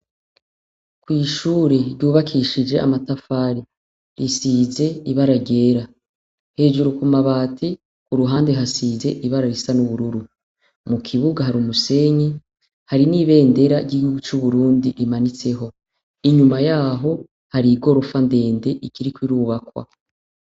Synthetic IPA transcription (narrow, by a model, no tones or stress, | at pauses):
kwiːʃuːɾe̞ɾɟuːβakʰiʃid͡ʒe̞ʔa̰matafaːɾi | ɾisize̞iβaɾaɟe̞ːɾa | he̞ːd͡ʒuɾukumaβaːtʰi | kuɾuɦaːnde̞ɦasize̞ʔiβaɾaɾisanuβuɾuɾu | mukʰiβuɡaɦaɾumuse̞ɲi | haɾiniːβe̞ːnde̞ɾaɾɟiuɡut͡ʃuβuɾuːndiʔimanit͡se̞ɦo̞ | iɲumajaːɦo̞ | haɾiɡo̞ɾofande̞ːnde̞ʔikiɾikwiɾuːβakwa̰